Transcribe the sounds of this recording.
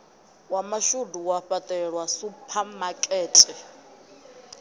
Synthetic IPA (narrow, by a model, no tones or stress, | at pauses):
wamaʃuduwaɸatʼɛɺwasupʰamakʼɛːtʼɛ